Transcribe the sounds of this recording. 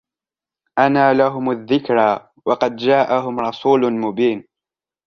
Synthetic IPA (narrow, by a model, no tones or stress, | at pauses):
ʔanaːlaɦʊmaðːɪkɾaː | wɑqɑd̪d͡ʒaːʔaɦʊmɾˤɑsuːlmʊbiːn